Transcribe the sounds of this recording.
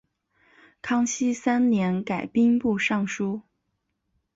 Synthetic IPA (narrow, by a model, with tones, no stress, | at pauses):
kʰɑ˥ŋɕi˥sa˥nnjɛ˧˥nka˨˩ɪpi˥ŋpu˥˧ʂɑ˥˩ŋʂu˥